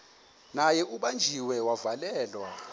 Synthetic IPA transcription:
najɛʔuɓand͡ʒʱiwɛwavalɛːlwa

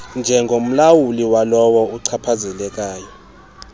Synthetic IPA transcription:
nd͡ʒʱɛŋɡʱom̩lawuliwalɔwɔuǀʰapʰazɛlɛk̬ʼaːjɔ

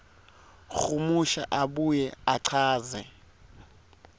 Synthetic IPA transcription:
xumuʃa̰ʔaɓujɛaǀʰaːzɛ

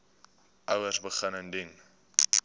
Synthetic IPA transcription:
ʔəwərsbəχənəndin

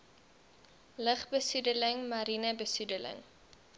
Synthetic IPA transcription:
ləχbəsudələŋmɐɾinəbəsudələ̰ŋ

